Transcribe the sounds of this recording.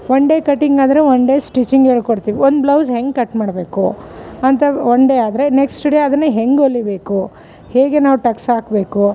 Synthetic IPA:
ʋoɳɖekɐʈːiŋɡaːd̪ɐɾeoɳɖesʈit͡ʃiŋɡeːɭkoɽt̪iːʋiond̪blɐwsɦeŋɡkɐʈːmaːɽbe̞ːkuɐnt̪ɐoɳɖeaːd̪ɐɾe̞neksʈɖeːɐd̪ɐnːeɦeŋɡolːibe̞ːku | he̞ːɡenaːʋuʈɐksaːkbe̞ːku

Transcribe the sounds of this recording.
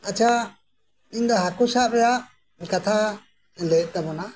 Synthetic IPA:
at͡ʃʰa | iɲd̪aɦakusaʔbɛjaʔ | kat̪ʰa | lət̪abɔna

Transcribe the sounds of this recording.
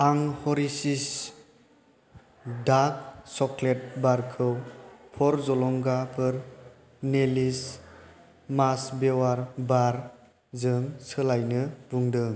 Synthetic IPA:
aŋhɔɾisis | dak̚sɔkʰlet̚baɾkʰɯwpʰɔɾzɔlɔŋɡapʰɯɾ | nelis | masbewaɾbaɾ | zɯŋsɯlajnɯbuŋdɯŋ

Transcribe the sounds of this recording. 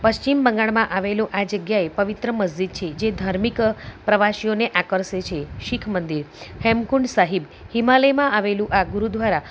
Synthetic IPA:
pəʃt͡ʃimbəŋɡaɭmãʔaʋeloʔad͡ʒəɡjaepəʋit̪ɾəməzd͡ʒid̪̚t͡ʃʰed͡ʒed̪ʱaɾmikpɾəʋaʃioneʔakəɾset͡ʃʰeʃikʰmənd̪iɾhɛmkuɳɖsaɦib | himaləjmãʔaʋelũʔaɡuɾud̪ʋaɾa

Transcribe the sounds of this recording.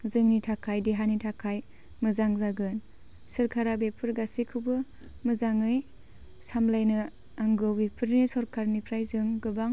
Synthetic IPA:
zɯŋnitʰakʰajdiɦanitʰakʰaj | mɯzaŋzaɡɯn | sɯɾkʰaɾabepʰɯɾɡasikʰɯbɯ | mɯzaŋɯj | samlajnɯ | aŋɡɯwbepʰɯɾnisɔɾkʰaɾnipʰɾajzɯŋɡɯbaŋ

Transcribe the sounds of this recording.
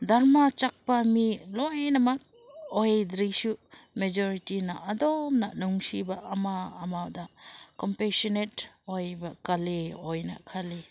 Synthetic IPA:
daɾmat͡ʃak̚pamilɔjnɐmɐk̚ | ojd̪ɾisumed͡ʒɔɾitinɐʔɐdɔmnɐ̰nuŋsibaʔːmaːmawdakɔmpesɔnetojbɐkaleojnɐ̰kʰali

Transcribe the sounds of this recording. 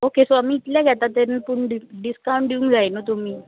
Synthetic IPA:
okesoamiːt̪ljaɡʱjat̪at̪eɾnpuɳɖiɖiskaũɳʈɖ̪iũŋkd͡zajnot̪̬um̤iː

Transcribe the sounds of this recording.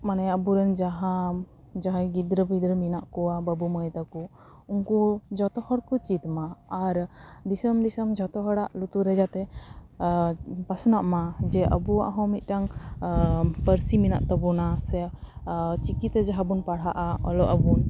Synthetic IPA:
manɛəbuɾɛnd͡ʒaɦa | d͡ʒaɦajɡid̪ɾəbʱid̪ɾəminaʔkɔwabəbumɔjt̪aku | uŋkud͡ʒɔt̪ɔhɔɽkut͡ʃit̪maːɾd̪isəmd̪isəmd͡ʒɔt̪ɔɦɔɽaʔlut̪uɾɛd͡ʒat̪ɛ | pasnaʔmad͡ʒɛʔəbuwa̰ʔɦɔ̃mit̪̚ˀʈaŋ | pəɾsimina̰ʔt̪ɔbɔnasɛ | t͡ʃikit̪ɛd͡ʒaɦabunpaɽ̤aʔaɔ̰lɔʔəbun

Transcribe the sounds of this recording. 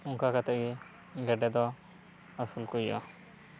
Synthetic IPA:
ʊŋkakat̪ɛʔɡi | ɡɛɖɛd̪ɔ | asulkuja̰

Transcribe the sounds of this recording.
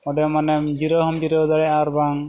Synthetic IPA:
ɔɖɛmanɛmd͡ʒiɾɔɦɔmd͡ʒiɾɔd̪aɽɛaɾbaŋ

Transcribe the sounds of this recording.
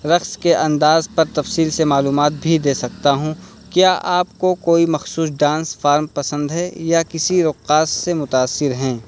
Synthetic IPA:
ɾɐxskeʔɐ̃nd̪aːzpɐɾt̪ɐfsiːlsemaːluːmaːt̪̚bʱid̪eːsɐk̚t̪aɦũ | kjaːʔaːp̚kokoːimɐxsuːs̬ɖãːnsfaːɾmpɐsə̃nd̪ɦɛjakɪsiɾʊqːaːsːemʊt̪aːsːɪɾɦɛ̃ː

